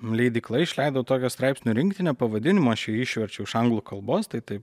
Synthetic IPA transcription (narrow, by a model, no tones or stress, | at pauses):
lʲɛɪd̪ʲɪklˠɐɪɪʃʲlʲɛɪd̪ɐʋʊt̪oːkʲost̪ɾɑɪpsʲnʲʊɾʲɪŋkt̪ʲɪnʲɛːpɐʋɐd̪ʲɪnʲɪmoːɐʃjɛɪʃʲʋʲɛɾʲt͡ʃʲɛʊɪʃɐŋɡlˠuːkɐlˠboːst̪ɐɪt̪ɐɪp